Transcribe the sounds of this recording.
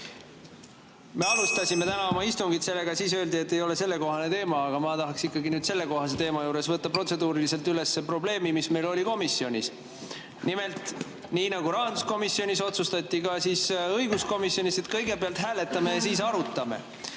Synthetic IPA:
me̞ɑlust̪ɑsʲime̞t̪ænɑo̞mɑist̪uŋɡ̥it̪se̞lːe̞ɡɑsiːsø̞ld̪ie̞t̪ːe̞jo̞le̞se̞lːe̞ko̞ɦɑne̞t̪e̞ːmɑːɡ̥ɑmɑt̪ɑɦɑksikːɑɡinyːd̪̥se̞lːe̞ko̞ɦɑse̞t̪e̞ːmɑjuːɾe̞svɤt̪ːɑpro̞t̪se̞d̪uːɾilise̞lt̪yle̞sːepro̞ble̞ːmimisme̞jlo̞lʲiko̞misːio̞nʲis | nime̞lt̪ˑ | niːnɑɡ̥uɾɑːɑnd̪u̥sko̞misːio̞nʲiso̞t̪sust̪ɑt̪ʲˑːikɑsiːsɤjɡ̥usko̞misːjonʲiset̪kɤjɡe̞peɑlt̪ɦæːle̞t̪ːˑɑme̞jɑs̬iːs̬ɑɾut̪ːˑɑmḛ

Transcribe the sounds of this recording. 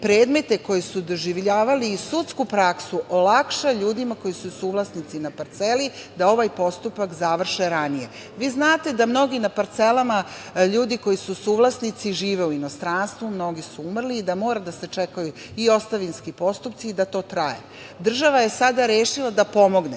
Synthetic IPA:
pɾe̞ːd̪me̞t̪e̞ko̞jesud̪o̞ʒiʋʎaːʋaliːsut̪skupɾaksuʔolakʃaʎuːd̪imako̞jisusuːʋlasnit̪sinapaɾt̪se̞lid̪ao̞ʋajpo̞st̪upakzaʋr̩ʃeɾanije̞ | ʋiːznaːt̪e̞d̪amno̞ɡinapaɾt̪se̞lama | ʎuːd̪iko̞jisusuːʋlˠasnit̪siʒiːʋe̞uino̞st̪ɾanst̪ʋumno̞ɡisuumr̩liːd̪amo̞ːɾad̪ase̞t͡ʃe̞kaju | io̞st̪aʋinskipo̞st̪upt̪siːd̪at̪o̞ːt̪ɾajḛ | d̪r̩ʒaʋaje̞sad̪aɾjeːʃilˠad̪apo̞mo̞ɡne

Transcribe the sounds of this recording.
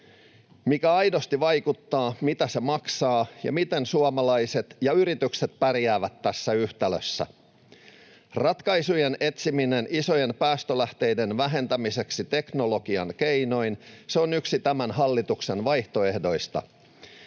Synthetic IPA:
mikæɑjdost̪iʋɑjkut̪ːɑːmit̪æse̞mɑksɑːjɑ̰mit̪ensuɑmɑlɑise̞t̪jɑyɾit̪ykset̪pærjæːʋæt̪ːæsːæyht̪æløsːæ̰ | rɑt̪kɑjsujenet̪siminenʔiso̞je̞npæːst̪ølæht̪e̞jdenʋæɦe̞nt̪æmise̞ksit̪e̞kno̞lo̞ɡ̥iɑnkeino̞inseonyksit̪æmænɦɑlːit̪uksenʋɑjht̪o̞e̞hdo̞ist̪ɑ̰

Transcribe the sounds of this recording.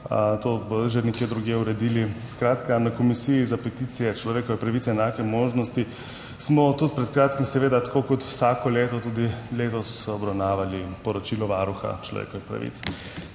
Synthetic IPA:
t̪obəʒenɛkjeːd̪ɾuɡjeuɾɛd̪iːliskɾaːt̪kanakɔmisijizapɛt̪it̪sijɛt͡ʃlɔʋeːkɔʋɛpɾaʋit̪sɛːnaːkɛmoːʒnɔst̪i | smɔt̪ut̪̚pɾɛt̪kɾaːt̪kimsɛʋeːd̪at̪ḁkokɔt̪wsaːkɔleːt̪ɔt̪uːd̪ileːt̪ɔsɔbɾawnaːʋalipɔɾɔt͡ʃilɔʋaːɾuxa̰t͡ʃlɔ̰ʋḛːkɔʋixpɾa̰ʋḭt̪s

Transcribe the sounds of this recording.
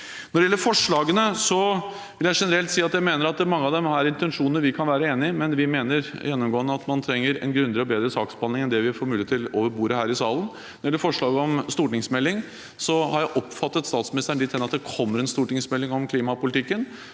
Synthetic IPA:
nɔɖɪɛlːəɾfɔʂɭɑːɡənəsɔ | ʋɪljæɪʂɛnəɾɛlt̪siːɑt̪jæɪmeːnəɾɑt̪̚d̪ɛmɑŋːəɑd̪ɛmæɾɪnt̪ɛnʂuːnənəʋɪkʰɑnʋæːɾəeːnɪmɛnʋɪmeːnəɾjɛnːɔmɡoːənːəɑt̪mɑnt̪ʰɾɛŋːəɾɛ̰nɡɾʉnd̪ɪɾɔbeːd̪ɾəsɑːksb̥ɑnɪŋɛnd̪ɛʋɪfoːɾmʉːleət̪ʰːɪloːʋəɾbuːɾəhæːɾɪsɑːlən | nɔɾɖɛɛlːəfɔʂɭɑːɡəɔmst̪uːʈnɪŋsmɛlːɪŋ | sɔhɑɾjæɪʔɔpːfɑt̪ːət̪st̪ɑːt̪smɪnɪst̪əɳd̪ɪt̪ʰɛnəɑt̪̚d̪ɛkʰɔmːəɾɛnst̪uːʈɪŋsmɛlːɪŋɔmkʰliːmɑpʊlɪt̪ʰɪkːən

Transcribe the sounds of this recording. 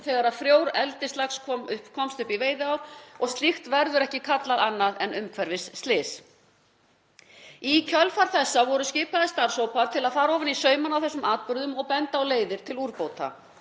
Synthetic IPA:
θɛɣaɾaðfɾjoːwɾɛlt̪ɪst̪axskʰɔʏpkʰɔmst̪ʏhpiveːjðɪawɾ̥ɔɣst̪lixt̪vɛɾðʏɾɛhcɪkʰat̪laðanːaðɛnʏmkʰvɛɾvɪsːt̪lɪːs | icʰœlfaɾ̥θɛsːavɔɾʏscɪːpaðɪst̪aɾ̥sowpaɾt̪ʰɪlaðfaːɾɔːvɪnisœːɥmanawθɛsːʏmaːt̪̚pʏɾðʏmɔɣpɛnt̪aawleːjðɪɾ̥t̪ʰɪluɾpoːwt̪a̰

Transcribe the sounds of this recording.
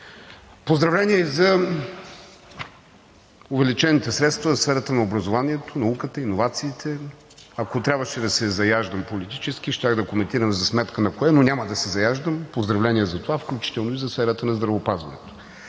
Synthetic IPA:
pozd̪ɾɐvlɛnʲiɛizɐ | ʊvɛlit͡ʃɛnit̪ɛsɾɛt̪st̪vəzɐsfɛɾət̪ənɐobɾɐzovanʲiɛt̪ʰonɐukət̪əinovat̪siːt̪ʰɛ | ɐkot̪ɾʲabvəʃɛd̪ɐsɛzɐjaʒd̪əmpolit̪i̥t͡ʃɛsk̟iʃt̪ʲaɣd̪ɐkomɛnt̪iɾəmzɐsmɛt̪kənɐkoɛnonʲaməd̪ɐsɛzɐjaʒd̪əmpozd̪ɾɐvlɛniɛzɐt̪ovafklʲut͡ʃi̥t̪ɛlˠnoizɐsfɛɾət̪ənɐzd̪ɾɐvopazvɐ̰nɛ̰t̪o̥

